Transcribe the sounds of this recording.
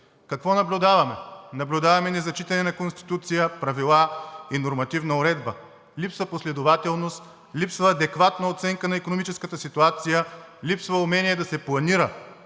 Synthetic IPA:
kɐkvɔnɐblʲʊd̪avɐmɛnɐblʲʊd̪avɐmɛnɛzɐt͡ʃit̪ɐnɛnɐkonst̪i̥t̪ut̪sijəpɾɐvilˠainoɾmɐt̪ivnɐʊɾɛd̪bə | lipsɐposlɛd̪ovat̪ɛlˠnost̪ | lipsvɐːd̪ɛkvat̪nɐot̪sɛŋkənɐikonomit͡ʃɛskət̪əsit̪uat̪sijəlipsvɐʊmɛnʲiɛd̪ɐsɛplˠɐniɾə

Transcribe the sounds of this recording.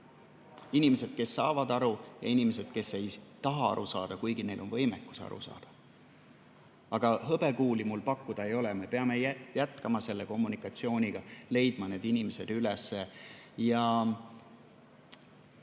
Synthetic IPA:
inimese̞d̪̥ke̞sːɑːvɑd̪ɑɾujɑ̰inimes̬e̞d̪̥ke̞sːe̞jt̪ɑɦɑɑ̰ɾusɑ̰ːd̪̥ɑkujɡ̥ine̞jlo̞nvɤ̞jmekːˑu̥sɑ̰ɾṵsɑ̰ːd̪̥ɑ̥ | ɑɡ̥ɑɦɤbe̞kuːlimulpɑkːud̪̥ɑejo̞leme̞pe̞ɑme̞jæjæt̪kɑmɑse̞lːe̞ko̞mːunikːˑɑt̪sio̞ːnʲiɡ̥ɑle̞jd̪̥mɑne̞ːd̪̥inimese̞d̪̥ylesːejɑ

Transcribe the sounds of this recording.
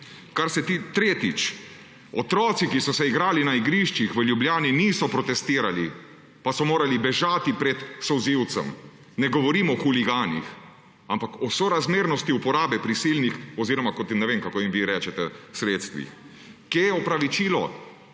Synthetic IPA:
kaɾsɛt̪it̪ɾeːt̪it͡ʃ | ɔt̪ɾɔːt̪sikisɔsɛiɡɾaːlinaiɡɾiʃt͡ʃixʋəljubljaːniniːsɔpɾɔt̪ɛst̪iːɾali | pasɔmoːɾalibɛʒaːt̪ipɾɛt̪sɔziwt̪sɛ̰m | nɛɡɔʋɔɾiːmɔxuliɡaːnḭx | ampakɔsɔɾazmeːɾnɔst̪iupɔɾaːbɛpɾisiːlnixɔziːɾɔmakɔt̪imnɛʋeːmkakoːimʋiɾɛːt͡ʃɛt̪ɛsɾeːt̪st̪ʋḭx | kejɛɔpɾaʋit͡ʃiːlɔ

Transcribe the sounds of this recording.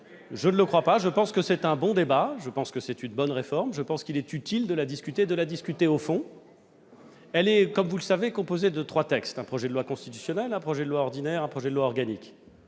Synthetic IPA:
ʒənləkχwapaʒəpɑ̃skəsɛt̪ɛ̃bɔ̃d̪ebaʒəpɑ̃skəsɛt̪ynbɔnʁefɔʁmʒəpɑ̃skʲilɛt̪yt̪ild̪əlad̪iskʲyt̪eːd̪əlad̪iskʲyt̪eofɔ̃ | ɛlɛkɔmvuləsavekɔ̃pozed̪ət̪χwat̪ɛkst̪ɛ̃pχɔʒɛd̪əlwakɔ̃st̪it̪y̥sjɔnɛlɛ̃pχɔʒɛd̪əlwaɔʁd̪inɛʁɛ̃pχɔʒɛd̪əlwaɔʁɡanik

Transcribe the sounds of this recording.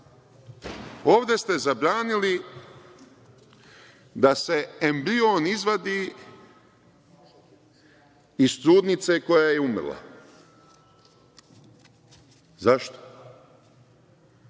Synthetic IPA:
o̞ːʋd̪e̞st̪e̞zabɾaːnili | d̪ase̞embɾioːnizʋad̪iː | ist̪ɾuːd̪nit̪se̞ko̞jajeumɾlˠa̰ | zaʃt̪o̥

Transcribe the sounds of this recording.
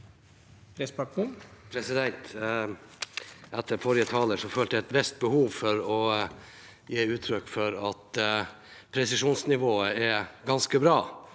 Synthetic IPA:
pʰɾɛspɑkəpʰɾɛsɪd̪ɛnt̪ | æt̪ʰːəɾfɔɾɪət̪ʰɑːləʂɔføːlt̪ːɛt̪ʋɛst̪̚bəhuːʋfɔɾɔ | jeːʉːt̪ʰɾʏkːfɔɾɑt̪ | pʰɾɛsɪʂuːnsnɪʋoːəɛɡɑnskəbɾɑː

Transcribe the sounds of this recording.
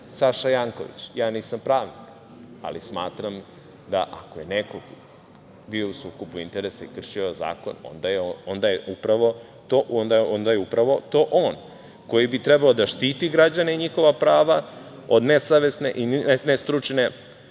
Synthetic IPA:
saʃajaŋko̞̰ʋḭt͡ɕjaːniːsampɾaːʋnik | a̰lismaːt̪ɾam | d̪a̰ʔakoje̞nekoɡ | bio̞usuːkopuint̪eɾesaikr̩ʃioza̰ːko̞̰no̰nd̪ajeoond̪ajeʔupɾaʋo̞ | t̪oʔond̪aond̪ajeupɾaʋo̞t̪oːʔoːn | ko̞jibit̪ɾebaod̪aʃt̪iːt̪iɡɾad͡ʑaneiɲixo̞ʋapɾaːʋa | od̪nesaʋe̞sne̞ʔinest̪ɾut͡ʂne

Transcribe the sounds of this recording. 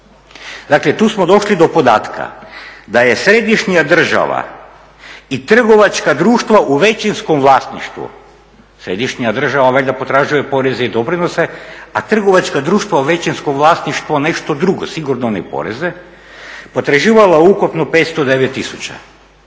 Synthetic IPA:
d̪aklet̪uːsmod̪o̞ʃlid̪o̞po̞d̪a̰ːt̪kʰa̰d̪aje̞sɾe̞d̪iʃɲijad̪r̩ʒa̰ʋa̰ | it̪r̩ɡo̞ʋat͡ʃkad̪ɾuːʃt̪ʋaʔuʋet͡ʃinskomʋlˠaːst̪nḭʃt̪ʋṵ | sɾed̪iʃɲijad̪r̩ʒaʋaʋeʎʲd̪apo̞t̪ɾaːʒuje̞po̞ɾezeid̪o̞pɾino̞se̞at̪r̩ɡoʋat͡ʃkad̪ɾuːʃt̪ʋauʋet͡ɕinskomʋlˠaːst̪niʃt̪ʋone̞ʃt̪o̞d̪ɾuɡo̰siɡuɾnonɛpo̞̰ɾḛze | pot̪ɾaʒiːʋalaukupnopeːt̪st̪od̪eʋet̪ːisut͡ɕa̰

